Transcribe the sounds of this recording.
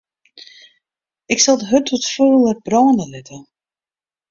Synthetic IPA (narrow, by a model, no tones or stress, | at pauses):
ɪksalˠdəɦøtʰɔtføːlˠəbrɔːnəlɪtʰə